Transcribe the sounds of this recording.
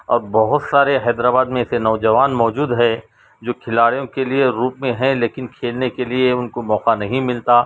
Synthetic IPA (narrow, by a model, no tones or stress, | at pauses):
ɔːɾbɔɦʊt̪saːɾeɦɛːd̪ɾaːbaːd̪mẽɪsenɔːd͡ʒɐʋaːnmɔːd͡ʒuːd̪ɦɛ | d͡ʒoːkʰɪlaːɽijõkelieɾuːpmẽɦɛ̃leːkɪnkʰeːlnekelieʊnkomɔːqanɐɦĩmɪlt̪a